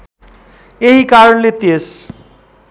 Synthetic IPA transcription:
eɦikaɾʌnlet̪es

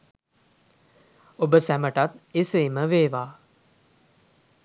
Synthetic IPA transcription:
obəsæməʈat̪eseːməʋeːʋaː

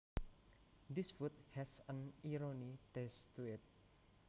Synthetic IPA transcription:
disfut̚hɛsə̃niɹonitɛstuɪt̚

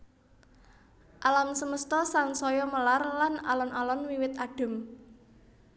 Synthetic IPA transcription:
ʔalamsəməst̪ɔsaŋsɔjɔməlarlana̰lɔnʔalɔnwiwɪt̪̚aɖ̥ə̤m

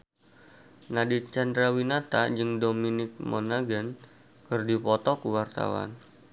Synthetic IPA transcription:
nadit̪̚t͡ʃand̪ɾawinat̪ad͡ʒɨŋdominɪk̚monaɡən | kɨrdipɔt̪ɔkuwart̪a̰wa̰n

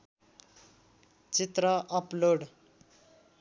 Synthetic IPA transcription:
t͡sit̪ɾʌʔʌploɖ

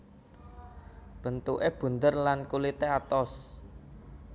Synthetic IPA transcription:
b̥ə̤nt̪uʔeb̥ṳnd̪ərlankulit̪eat̪ɔs

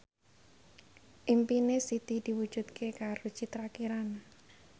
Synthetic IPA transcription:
ʔimpinesit̪id̪̥i̤wu̥ʒ̥ṳd̪kʰekaɾod̥ʒ̥it̪ɾakiɾan

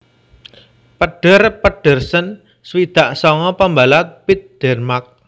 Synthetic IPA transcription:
pəɖ̥ə̤rpəɖ̥ə̤rsən | swid̪̥a̤ʔsɔŋɔpəmbalat̪̚pit̪̚d̥ɛrmak̚

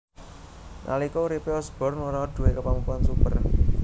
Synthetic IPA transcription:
nʔa̰likuɾipeɔsb̥ɔrnoɾaoɖ̥ṳekəpamupuansub̥ər

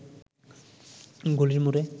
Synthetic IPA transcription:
ɡoliɾmuɾɛ

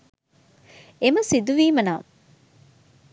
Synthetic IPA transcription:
emɐsid̪uʋiːmɐnaːm

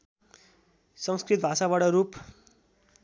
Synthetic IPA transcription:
sʌŋskrit̪̚bʱasaβaʈʌɾup

